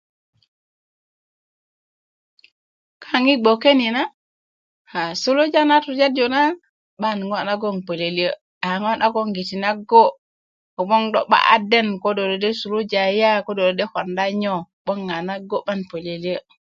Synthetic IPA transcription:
kʰaŋiɡ͡bɔkenina | hasulud͡ʒanatud͡ʒad͡ʒɔna | ɓanŋɡɔnaɡɔnpoleliə | aŋɔnʔaɡɔŋɡitinaɡɔ | ɔɓɔndɔ̰ɓa̰ʔa̰dɛnkɔdɔdɔdɛsulud͡ʒajakɔdɔɔdɛhɔndaɲɔɓɔnɡanaɡːɔɓanpoleliə

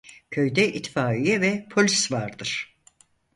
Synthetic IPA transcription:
cʰøjd̪ɛʔit̪ʰfaːijɛvɛpʰo̞lʲisvaɾd̪ɯɾ̥

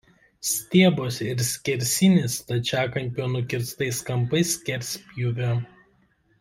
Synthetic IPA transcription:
sʲt̪ʲiɛboːsɪɾsʲkʲɪɾʲsʲɪnʲɪst̪ɐt͡ʃʲæːkɐmʲpʲoːnʊkʲɪɾst̪ɐɪskɐmpɐɪsʲkʲɛɾʲsʲpʲjuʋʲo

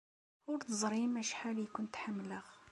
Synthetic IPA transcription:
wʊɾt̪əzˤɾimæʃħalikʊnt̪ħamːləɣ

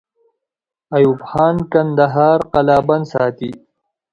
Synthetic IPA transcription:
ɐjubxɑːnkɐnd̪ɐɦaːɾqɐlaːbɐnsaːt̪i

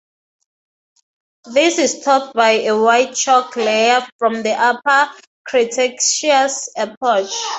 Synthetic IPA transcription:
ðisistʰɔt̚bajewajt̚t͡ʃʰɔkʰlejafɹɔ̃mðiʔapa | kʰɹitʰɛkʃasapʰɹɔt͡ʃ

